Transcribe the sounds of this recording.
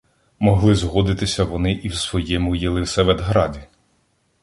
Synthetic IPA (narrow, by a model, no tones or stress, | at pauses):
mɔɦlˠɪzɦɔd̪ɪt̪ɪsʲɐʋɔnɪʔiwsʋɔjɛmʊjɛlˠɪwsɛʋed̪ɦɾɑdʲi